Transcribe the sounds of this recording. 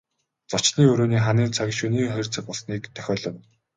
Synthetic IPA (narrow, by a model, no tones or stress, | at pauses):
t͡sɔt͡ɕniːɵɾoːniːχaniːnt͡sʰakʲʃuniːŋχœjrʲt͡sə̆k̚pɔɮsniːkt̪ʰœ̥xʲɔːɮɞ̆n